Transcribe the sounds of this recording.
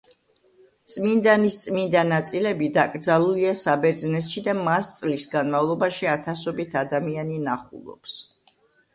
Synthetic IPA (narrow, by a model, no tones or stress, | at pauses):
t̪sʼmind̪anist̪sʼmind̪anat̪sʼilɛbid̪akʼɾd̪zalˠuliasabɛɾd̪znɛt̪ʃid̪amast̪sʼlisɡanmavlˠɔbaʃiat̪ʰasɔbit̪ʰad̪amianinaχṵlˠɔ̰ps